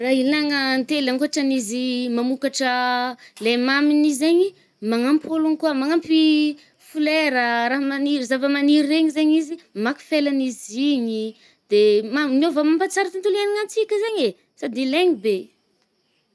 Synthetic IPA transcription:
raɦilaŋənt̪elaŋkuaʈ͡ʂənizimamukaʈ͡ʂəlemaminizeɲi | maŋampolunikuamaŋampi | fuleɾəɾaɦamaniɾizavəmaniɾːeɲizeɲizimaku̥felaniziɲi | d̪̥emanovamampat͡saɾat̪int̪uleniŋant͡sikʲəzeɲe | sad̪ileɲibe

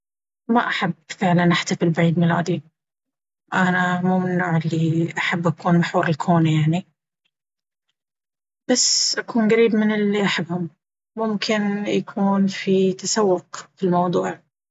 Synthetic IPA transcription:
maʔaħabːfɪʕlanʔaħt̪afɪlbaʕiːd̪mila̰ːd̪i | ʔanamuːmɪnːuːʕɪlːiʔaħabːʔakuːnmaħuːɾɪlkʰoːnajaʕni | b̥asːʔakuːnɡaɾiːbmɪnɪlːiʔaħabːhʊmː | ʊmkʰɪnjakʰuːnfit̪asawːʊqfilmɑwd̪ˤuːʕ

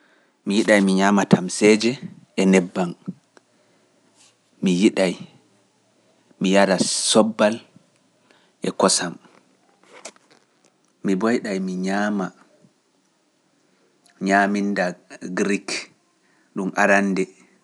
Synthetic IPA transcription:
mijiɗajmiɲaːmatʰamsɛd͡ʒɛ | ʔɛnɛbːan | mijiɗaj | mijaɾasɔbːal | ʔɛkɔsam | ibɔjɗajmiɲaːma | ɲaːmindaɡɾik | ɗumʔa̰ɾanːdɛ

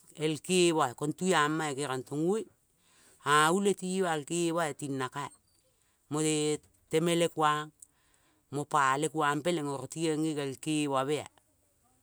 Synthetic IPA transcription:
elkewaekontujamːaekeɾantoŋuj | auletiwalkeβaetinːakae | mote | temelekwaŋ | mopalekwaŋpeleŋoɾotieŋikelkewaβea̰

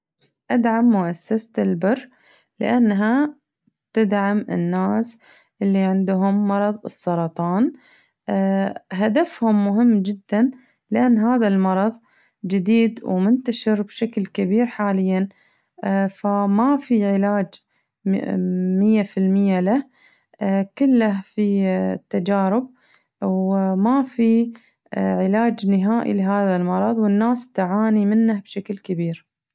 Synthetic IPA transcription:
ʔad̪ʕamːʊʔasːast̪ɪlbɪrː | lɪ̰ʔanːɦa | t̪ɪd̪ʕamɪ̰nːaːs | ʔɪlːiʕɪnd̪ʊɦʊmːɑɾˤɑðˤɨ̰sˤːɑɾˤɑt̪ˤɑːn | ɦad̪afhʊmːʊɦɪmːd͡ʒɪd̪ːan | lɪʔanːɦaːðalmɑɾˤɑðˤ | d͡ʒɪd̪iːd̪wmʊnt̪aʃɪɾbʃaklkabiːɾħaːlɪjːan | famafiʕɪlaːd͡ʒ | mɪjːafɪlmɪjːalah | kʊlːahfit̪ːad͡ʒaːɾɪb̚ | wmafi | ʕɪlaːd͡ʒnɪɦaːʔḭlɪɦaːðalmɑɾˤɑðˤwɪnːaːst̪aʕaːnimɪnːahbʃaklkabiːɾ

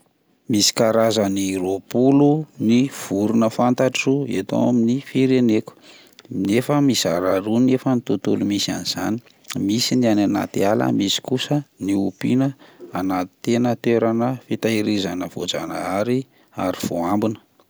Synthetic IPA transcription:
misi̥kaɾazəniropuluniv̥uɾunəfant̪aʈ͡ʂiruet̪o̰wa̰minifiɾeneku̥ | nefəmisa̰ɾaɾunefənit̪ut̪ulumisia̰niz̥a̰ni̥ | misinianana̰t̪ialə̰misi̥kusəniupinəanat̪i̥t̪enət̪eɾanəfit̪aiɾizanəv̥o̰d͡za̰na̰aɾi | a̰ɾiv̥oambinə̥

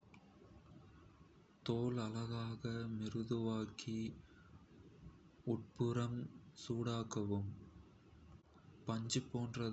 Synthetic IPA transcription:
t̪oːlɐlɐɣaːɣɐmɪrɯðɯʋaːkʰi | ʊʈ̚pɯɾɐmsuːɽaːkɐʋɯm | pɐɲd͡ʒɯpːoːndrɐ

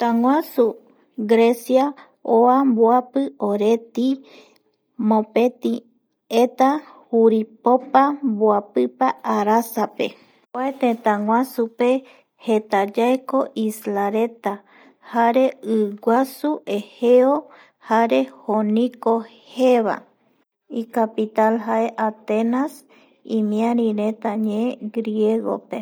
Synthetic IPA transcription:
t̪aŋwʷasu | ɡɾe̞sja | oamboapɨoɾe̞t̪i | mõpet̪i | et̪ahuɾipopamboapɨpaaɾasape | kaet̪ẽt̪ãŋwʷãsupe | het̪ad͡ʒaeko̞ʔislaɾe̞t̪a | haɾe̞ɨɡʷasuʔe̞heo | haɾe̞honĩko̞heβa̰ | ikapit̪alɦaʔeʔat̪enas | ĩmĩãɾ̃ĩɾẽ̞t̪aɲeeɡɾieɡo̞̰pe

